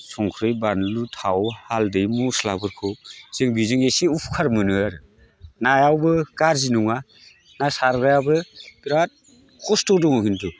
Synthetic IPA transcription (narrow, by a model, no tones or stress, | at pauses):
sɔŋkʰɾɯjbanlutʰawhaldɯjmusla̰bɯɾkʰɯwz̥ɯŋbizɯŋesiupʰkʰaɾmɯnɯaɾɯ | najawbɯkaɾzinuŋa | nasaɾɡajabɯbiɾat̚ | kʰɔstɔdɔŋɔkʰintʰu